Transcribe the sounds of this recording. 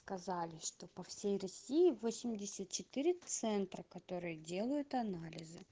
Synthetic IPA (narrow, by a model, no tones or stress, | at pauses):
skɐzalʲɪʂt̪o̞pɐfsʲejrɐsʲijɪvosʲɪmʲdʲɪsʲət̪̚t͡ɕɪt̪ɨɾʲɪt̪sɛnt̪ɾəkɐt̪o̞ɾɨjədʲe̞lˠəjʊt̪ɐnalʲɪzɨ